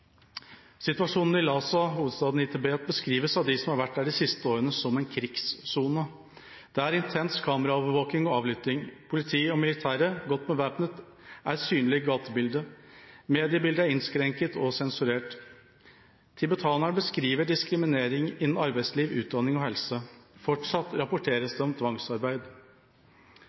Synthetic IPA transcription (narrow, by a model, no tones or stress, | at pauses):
sɪt̪ʋɑʂuːnn̩ɪlɑːsɑhuːʋəd̪st̪ɑːd̪n̩ɪt̪ʰɛbeːt̪̚bəskɾiːʋəsɑʋd̪ɪsɔmhɑɾʋæʈːdæːɖisɪst̪əoːɾənəsɔmɛnkʰɾɪkssuːnə | d̪̥ɛæɾɪnt̪ʰɛnskʰɑːməɾɑoːʋəɾʋoːknɪŋɔɑːʋlʏt̪ɪŋpʰʊlɪt̪ʰiːɔmɪlɪt̪ʰæːɾəɡɔt̪ːmɛʋæːpnət̪ | ʔæɾsyːnlɪɡɑːt̪əbɪld̪əmeːd̪ɪəbɪld̪əæɾɪnskɾɛŋkət̪ʰɔsɛnsʉɾeːʈ | t̪ʰɪbɛt̪ʰɑːnəɳbəskɾiːʋəɖɪskɾɪmɪneːɾɪŋɪnːn̩ɑɾbæɪsliːʋʉ̰ːt̪̚d̪ɑnɪŋɔhɛlsəfɔʈʂɑt̪ːɾɑpʊʈʰeːɾəsd̪ɛɔmt̪ʰʋɑŋsɑɾbæɪd̪